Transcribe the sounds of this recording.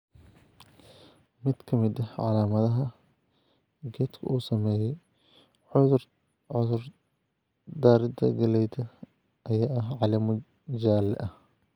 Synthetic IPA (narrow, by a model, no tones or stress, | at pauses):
mɪd̪̥kʰɐmɪd̪ɐʕɑ̰laːmɐðɐɦɐ | ɡɛːt̪kʰɐ̰ʔuːsɐmɛːjɛj | ʕʊðʊ | ʊðʊr | d̪aːɾɪd̪ɐ̰ɡɐlɛjt̪ʰɐ | ʔɐjaːʔɐɦʕɑlɐmʊ | d͡ʒaːlɛ̰ʔɐh